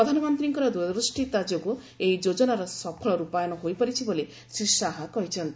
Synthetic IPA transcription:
pɾɔd̪ʱanɔmɔnt̪ɾiŋkɔɾɔd̪ujɔd̪ɾusʈit̪ad͡ʒɔku | ejd͡ʒod͡ʒɔnaɾɔsɔpʰɔɭɔɾupajɔnɔɦojpɔɾit͡ʃʰibole | sisaɦakɔɦit͡ʃʰɔnt̪i

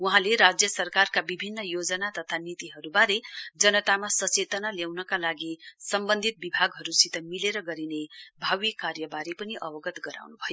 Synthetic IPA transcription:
uɦãleɾad͡zjʌsʌrkarkabibʱinːʌjod͡zʌnat̪ʌt̪ʰanit̪iɦʌɾubaɾed͡zʌnʌt̪amasʌt͡set̪ʌnaljawnʌkalaɡisʌmbʌnd̪ʱit̪̚bibʱaɡɦʌɾusit̪ʌmileɾʌɡʌɾinebʱawikarjʌbaɾepʌniʔʌbʌɡʌt̪ɡʌɾa̰wnubʱʌjo

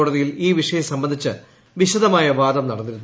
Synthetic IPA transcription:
oːɽɐðijiliːʋiʂɐjɐmsɐmbɐnd̪ʱit͡ɕːɨ | ʋiɕɐd̪ɐmaːjɐʋaːd̪ɐmnɐɽɐnːiɾunː

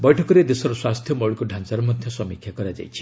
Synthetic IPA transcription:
bɔjʈʰɔkɔɾed̪esɔɾɔswast̪ʰjɔmɔɭikuɖʱãnt͡ʃaɾɔmɔd̪ʱjɔsɔmikʰjakɔɾad͡ʒa̰jt͡ʃʰi̥

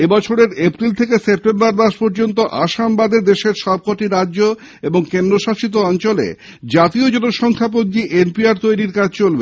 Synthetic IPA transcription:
ebɔt͡ɕʰoɾeɾepɾilt̪ʰekesep̚ʈembaɾd̪aʃpɔɾd͡ʑont̪oʔaʃambad̪ed̪eʃeɾʃɔb̚koʈiɾadːʑo | eboŋkend̪ɾoʃaʃit̪̬oɔnt͡ɕolḛ | d͡ʑat̪iod͡ʑɔnoʃɔŋkʰap̬ond̪iʔenpiaɾt̪ojɾiɾkad͡ʑʱt͡ɕolbe

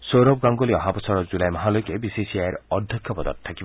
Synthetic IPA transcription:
sowɾɔb̚ɡaŋɡɔliɔɦapɔsɔɾɔd͡ʒulajmɔɦalojkebisisiaeɾɔd̪ʱjɔkʰjɔpɔd̪ɔ̰t̪t̪ʰːakibɔ

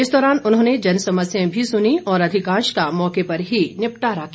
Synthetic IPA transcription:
ɪsd̪ɔːɾaːnʊnɦõːned͡ʒɐnsɐməsjãbʱisʊniɔːɾɐd̪ʱɪkãːʃkamɔːkepɐɾɦinɪpʈaːɾakʰː

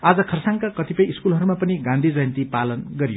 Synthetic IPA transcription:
ad͡zʌkʰʌrsaŋkakʌt̪ipʌjiskulɦʌɾumapʌniɡãnd̪ʱid͡zʌjʌnt̪ipalʌnɡʌɾijo

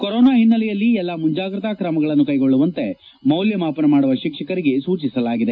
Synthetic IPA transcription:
koɾoːnaːɦinːɐlɛjɐlːiɛlːɐmuɲd͡ʒaːɡɾɐt̪aːkɾɐmɐɡɐɭɐnːukɐjɡo̞ɭːuʋɐnt̪e̞ | mɐwljɐmaːpɐnɐmaːɽuʋɐʃikʂɐkɐɾiɡe̞suːt͡ʃisɐlaːɡid̪e

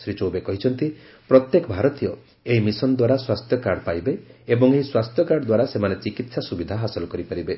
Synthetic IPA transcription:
sɾit͡ʃɔwbekɔɦit͡ʃʰɔnt̪i | pɾɔt̪jekɔbʱaɾɔt̪ijɔ | eɦimisɔnd̪waɾaswast̪ʰjɔkaɽɔpajbeebɔŋeɦiswast̪ʰjɔkaɽɔd̪waɾasemanet͡ʃikit̪sasubid̪ʱaɦasɔlɔkɔɾipaɾibe

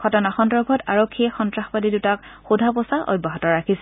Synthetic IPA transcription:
ɡ̥ʱɔtɔnaxɔndɹɔbʱɔtaɹokʰːiɛxɔntɹaxpadidutakxudʱapɔsaʔɔ̰baɦɔtɔɹakʰisɛ

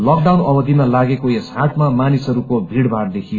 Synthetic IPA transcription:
lʌk̚ɖawnʌbʌd̪ʱimalaɡekoesɦaʈʰmamanisʌɾukobʱiɽbʱard̪ekʰijo

